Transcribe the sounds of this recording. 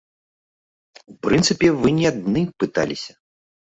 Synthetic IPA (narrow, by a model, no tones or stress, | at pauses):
upɾɨnt̪sɨpʲɛvɨnʲɛad̪nɨpɨt̪a̰lʲisʲɐ̥